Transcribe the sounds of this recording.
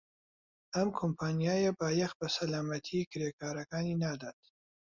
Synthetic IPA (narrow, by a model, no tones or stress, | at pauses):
ɐmkʰompʰaːnijaːjabaːjɛxbɐsɐlaːmɐt̪ʰikɨɾeːkaːɾɐkaːninaːd̪at̪̚